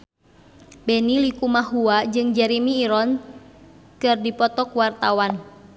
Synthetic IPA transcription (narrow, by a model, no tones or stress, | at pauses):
bɛnilikumaɦuad͡ʒɨŋd͡ʒɛɾimiːɾɔn | kɨrdipɔt̪ɔkwart̪awan